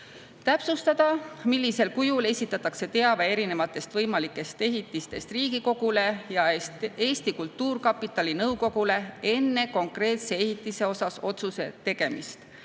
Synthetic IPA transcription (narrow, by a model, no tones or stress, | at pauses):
t̪æpsust̪ɑd̪̥ɑmilːise̞lkujule̞sʲit̪ːˑɑt̪ːˑɑkse̞t̪e̞ɑvee̞ɾine̞vɑt̪ːˑe̞st̪vɤjmɑlikːˑe̞st̪e̞ɦit̪ːˑist̪e̞st̪riːɡ̥iko̞ɡ̥ule̞jɑe̞ːst̪ikult̪ːuːrkɑpːˑit̪ːˑɑlinɤwko̞ɡ̥ule̞e̞nːe̞ko̞ŋkre̞ːt̪se̞ehit̪ːˑise̞o̞sɑso̞t̪suse̞̰t̪e̞ɡ̥e̞mist̪